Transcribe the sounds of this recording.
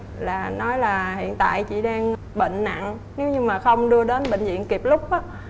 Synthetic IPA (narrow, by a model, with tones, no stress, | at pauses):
laː˨˩nɔ˨˦jlaː˨˩hḭ˧˨ənt̪a̰ː˧˨jt͡ɕḭ˧˩˨ɗaː˧ŋ | ɓḛ˧˨ŋ̟na̰˧˨n | ne˨˦wɲɨ˧ŋmaː˨˩xə˧wŋ͡mɗɨ˧əɗe˨˦nɓə̰˧˨ŋzḭ˧˨ənki˨˩p̚lʊ˦˥k͡p̚ʔaː˨˦